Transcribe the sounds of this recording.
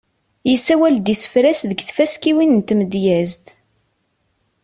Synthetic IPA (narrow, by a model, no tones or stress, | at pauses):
jisæwæld̪isə̥fɾæsðəɡθfæskiwinənt̪ːməd̪jæzt̪